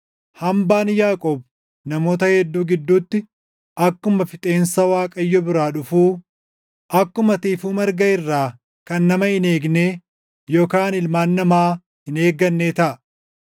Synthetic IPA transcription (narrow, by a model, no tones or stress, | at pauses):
hɐmbaːnjaːkʼoːb̚ | nɐmo̞ːt̪ɐhɛd̪ːuːɡɪd̪ːuːt̪ːɪ | ʔɐkːʊmɐfɪt̪ʼe̞ːnsɐwaːkʼɐjːɔbɪɾaːᶑʊfuː | ʔɐkːʊmɐt̪iːfuːmɐɾɡɐɪrːaː | kɐnːɐmɐhɪneːɡneː | joːkaːnɪlmaːnːɐmaː | hɪne̞ːɡɐnːeːt̪ɐʔɐ